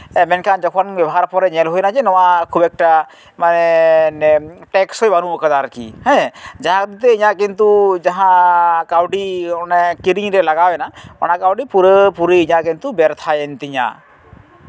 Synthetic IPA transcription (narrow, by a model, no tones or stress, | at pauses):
ɛmɛnkʰand͡ʒɔkʰɔnbɛbɔɦaɾpɔɾɛɲɛlɦojnad͡ʒɛnɔwakʰubɛk̚ʈa | manɛnʈɛksɔjbanuɔkəd̪aɾkḭhɛ̃d͡ʒaɦãkd̪it̪̬ɛiɲak̬int̪ud͡ʒaɦãkawʈiɔnɛkiɾiŋɾɛlaɡabɛnaɔ̰nakawʈipuɾəpuɾiiɲakint̪ubɛɾt̪ʰajɛnt̪iɲa̰